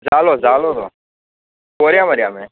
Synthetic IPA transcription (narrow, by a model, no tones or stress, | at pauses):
zaːloːzaːloːd̪o̰ː | koːɾjaːməɾɪjaːmeː